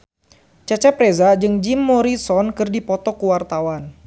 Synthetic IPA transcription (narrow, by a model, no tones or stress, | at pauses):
t͡ʃat͡ʃɛpɾezad͡ʒɨŋd͡ʒimːɔɾisɔnkɨrdipɔt̪ɔkəwart̪awan